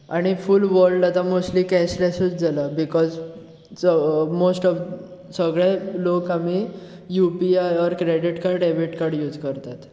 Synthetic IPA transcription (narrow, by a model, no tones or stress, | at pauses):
aɽ̃ifulʋəɾɖat̪amosʈlikɛslɛsuːt͡sd͡zalabikɔz | mosʈɔ | səɡɭelokami | jupiajɔɾkɾeɖiʈkaɾɖebiʈkaɾɖjuːd͡zkəɾt̪at̪